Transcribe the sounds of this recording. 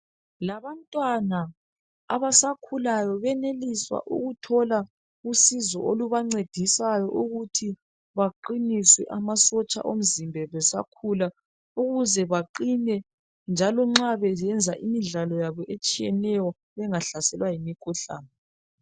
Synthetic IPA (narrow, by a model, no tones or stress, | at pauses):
laβantʼwana | a̰βasakʰulajɔβɛneliswa̰ʔṵɣutʰɔla | usizɔ̰oluβaŋ͡ǀed̥ʱisajɔʔuɣutʰi | βaǃiniswɛ̰ʔamasɔt͡ʃʼa̰ʔom̩zimbʱɛβɛsa̰kʰula | uɣuzɛβaǃinɛ | nd͡ʒʱalɔŋ͡ǁaβɛzɛnd͡zʱaʔimiɮalɔjaβɔʔet͡ʃʼijɛnɛjɔ | βɛŋaɬasɛlwajimikʰuɬa̰ːnɛ